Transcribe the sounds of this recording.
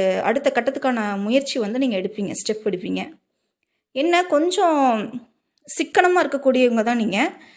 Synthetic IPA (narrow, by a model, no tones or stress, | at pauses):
ɐ̰ɽɯt̪ːɐkɐʈːɐt̪ːɯkːaːnɐmʊjɐɾt͡ʃiʋɐnd̪ɯniːŋɡɐɛɽɯpːiːŋɡɐsʈɛpːɛɽɯpːiːŋɡɐ | ɛnːɐkɔɲd͡ʒɔ̃ | sɪkːɐɳɐmaːɪɾɯkːɐkːuːɽɪjɐɯŋɡɐt̪ãːniːŋɡɐ